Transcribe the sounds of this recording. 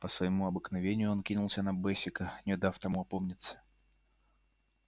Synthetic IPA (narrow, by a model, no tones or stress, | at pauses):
pəsvəjɪmuɐbɨknɐvʲenʲɪjʊo̞nkʲinʊlˠsʲənɐbesʲɪkənʲɪd̪aft̪ɐmuɐpomnʲɪt̪sə̥